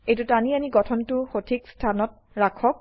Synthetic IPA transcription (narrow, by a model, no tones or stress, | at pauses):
ejtutanianiɡɔtʰɔntʊxotʰikstʰanɔt̚ | ɹakʰɔk̚